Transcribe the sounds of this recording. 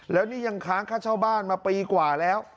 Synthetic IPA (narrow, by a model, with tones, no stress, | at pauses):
lɛː˦˥wniː˥˩ja˧ŋkʰaː˦˥nkʰaː˥˩t͡ɕʰaː˥˩wbaː˥˩nmaː˧piː˧kwaː˨˩lɛː˦˥w